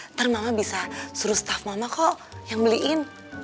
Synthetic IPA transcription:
t̪ərmamabisasuɾust̪afmamakɔʔjaŋbəliʔɪn

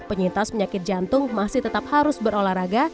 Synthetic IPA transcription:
pəɲint̪aspəɲakɪt̪̚d͡ʒant̪ʊŋmasɪht̪ət̪ap̚haɾʊsbəɾolahɾaɡa

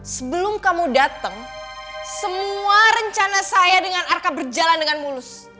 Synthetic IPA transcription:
səbəlʊmkamudat̪əŋ | səmuaɾəɲt͡ʃanasajadəŋanarkabərd͡ʒalandəŋanmulʊs

